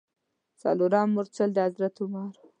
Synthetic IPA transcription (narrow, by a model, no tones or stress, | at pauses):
sɑ̰luɾɑmːʊɾt͡sald̪əazɾat̪ʊmɑɾ